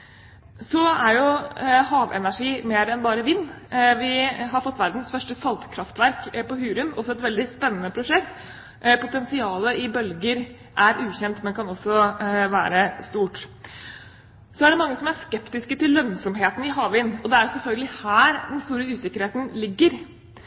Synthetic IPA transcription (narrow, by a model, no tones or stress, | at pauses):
sɔæɾjʊhɑːʋɛ̰næʂiːmeːɾɛnbɑːɾəʋɪnːʋɪɦɑɾfɔt̪ːʋæɾd̪nsfœʂʈəsɑlt̪kʰɾɑft̪ʋæɾkpɔhʉːɾʉmɔsɔɛt̪ʋɛld̪ɪspɛnːənəpʰɾʊʂɛkt̪ | pʊt̪ɛnsɪɑːləɪbœlɡəɾ | ʔæɾʔʉːçɛnt̪mɛnkʰɑnɔsɔʋæ̰ːɾəst̪uːʈ | sɔæɖɛmɑŋːəsɔmæʂkɛpt̪ɪskət̪ɪlːœnsɔmɦeːt̪ən̩ɪɦɑːʋɪnːɔd̪ɛæɾjʊsɛlfœlɡəlɪhæːɾd̪ɛnst̪uːɾəʉːsɪkːəɾheːt̪ən̩lɪɡːəɾ